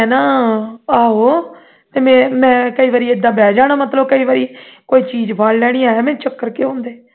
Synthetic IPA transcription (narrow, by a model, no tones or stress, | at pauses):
ɦɛːnaːaːɦoː | t̪eːmɛ̃ːmɛ̃ːkəiːʋaːɾiːed̪ːãːbɛːd͡ʒaːɽ̃aːmət̪ləbkəiːʋaːɾiːkoːiːt͡ʃiːd͡ʒbaːɽlɛːɽ̃iːaːjaːmɛ̃ːt͡ʃəkːəɾkeõːnd̪eː